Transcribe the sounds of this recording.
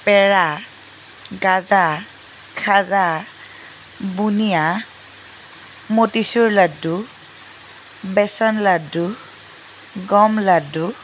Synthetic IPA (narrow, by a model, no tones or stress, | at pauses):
pɛɹa | ɡaza | kʰaza | bunija | motisuɹladu | bɛsɔnladu | ɡɔmladu